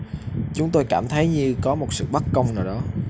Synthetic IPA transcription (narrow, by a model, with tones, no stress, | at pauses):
t͡ɕʊ˨˦ŋ͡mt̪o˧jkaː˧˩mt̪ʰə˨˦jɲɨ˧kɔ˨˦mo˨˩t̚sɨ̰˧˨ɓa˦˥k̚kə˧wŋ͡mnaː˨˩wɗɔ˨˦